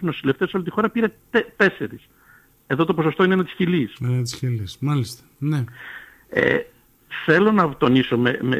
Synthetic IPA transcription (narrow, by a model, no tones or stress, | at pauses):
no̞sileft̪esolit̪ixo̞ɾɐpiɾet̪t̪e̞se̞ɾis | e̞ðo̞t̪o̞poso̞st̪oinenɐt̪isçilisenɐt̪isçilismɐlist̪ɐ̥ne | ḛ | θe̞lo̞nɐt̪o̞niso̞meme